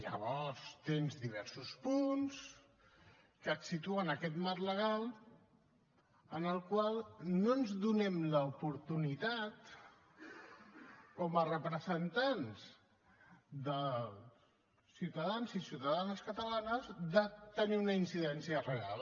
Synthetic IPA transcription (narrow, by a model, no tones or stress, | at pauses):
ʎə̰βɔɾst̪enzðiβ̞ɛɾsuspuns | kət̪sit̪uənəkɛt̪marləɣ̞alˠ | ənəlˠkwalˠnonzðunɛmləupuɾt̪unit̪at̪ | kɔmərəpɾəzənt̪anz | d̪ə | siwt̪əðanzisiwt̪əðanəskət̪əlanəzðət̪əniunəinsiðɛnsiərəɣa̰lˠ